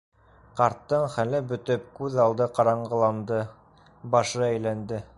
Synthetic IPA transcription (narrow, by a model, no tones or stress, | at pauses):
qɑɾt̪ːɤɴχælɘbɵ̆t̪ɵp̚kʉðɑlˠd̪ɤqɑɾɑɴɢɤ̆lˠɑnd̪ɤ | bɑʃɤæjlænd̪ɘ